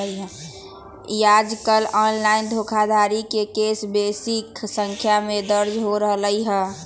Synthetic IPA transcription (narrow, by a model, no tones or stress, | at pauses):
iɦɛ̃ | jad͡ʒkəlɔːnlaɪnd̪ʱokʰad̪ʱaɾikekeːsbesɪksə̃ŋkʰjamẽd̪əɾd͡ʒɦoɾəɦləiɦɛ̃